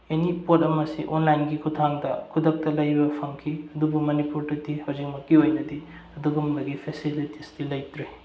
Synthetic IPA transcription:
jɐnipotɐmɐsḭʔonlajnɡikʰutʰaŋdɐkʰudɐk̚tɐlɐjbɐpʰɐŋkʰiɐdubumɐnipuɾtutːihɐwzik̚mɐkːiojnɐdi | ɐduɡumbɐɡipʰesilitisdilɐjtɾe

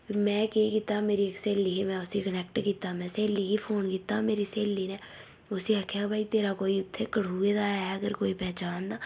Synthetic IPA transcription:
pimɛ̃ːkeːkit̪ameːɾiekseːlːiːɦemɛ̃ːʊsikənɛːk̚ʈkiːt̪ːamɛ̃ːseːlːikipʰoːnkit̪ameːɾiseːlːiːnɛː | ʊsiaːkʰjaːbʱaːit̪eːɾakoːiʊt̪ʰːekəɽ̤uːed̪aːɛəɡəɾkoːipɛːt͡ʃaːnd̪aː

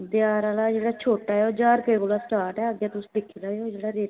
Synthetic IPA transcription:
d̪ɪjaːɾaːlaːd͡ʒeːɽaːt͡ʃʰoːʈaːɛoːd͡ʒaːɾkəikoːlaːsʈaːʈɛːəɡjãːt̪ʊsĩ̥ːd̪ɪkʰːiːd̪aːeod͡ʒeːɽaːɾeː

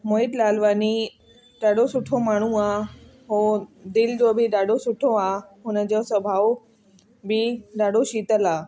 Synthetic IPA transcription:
moːɦɪd̪laːlʋaːni | ɗaːɖosʊʈʰomaːɳ̤ũaːɦoːd̪ɪld͡ʑobʱɪɗaːɖʱosʊʈʰoaːɦʊnəd͡ʑosɐbʱaːʋo | bɪɗaːɖʱoɕiːt̪əlaː

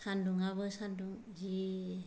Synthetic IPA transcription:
sanduŋaβɯsanduŋ | d͡ʒi

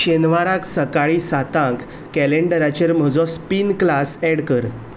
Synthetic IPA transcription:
ɕenʋaɾãksəkaɭisat̪ãk | kɛleɳɖəɾat͡ɕeɾm̤əd͡zɔspinklasɛɽkəɾ

